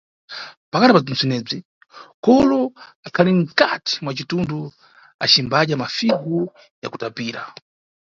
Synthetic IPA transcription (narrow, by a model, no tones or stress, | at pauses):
pakatipad͡zin̩sɛnɛːb͡ʐi | kɔlɔakʰaliŋ̩kati̥mwat͡ʃitundu | a̰t͡ʃimbaʄamafiɡu | ja̰ku̥tapiːɾa̰